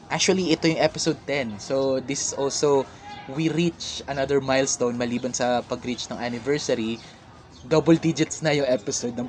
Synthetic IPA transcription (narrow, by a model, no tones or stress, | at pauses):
ʔak̚t͡ʃuɐliʔɛt̪o̞jʊŋʔɛpɪsowd̪̚t̪ɛnsod̪ɪsɪ̥sʔolso | wiɾit͡ʃʔɐnɐd̪ɛɹmajlst̪ownmɐliːbɐnsɐpɐɡɾit͡ʃnɐŋʔanɪvɛɹsɐɾi | d̪obɔld̪id͡ʒɪt̪snɐjʊŋʔɛpɪsod̪nɐŋ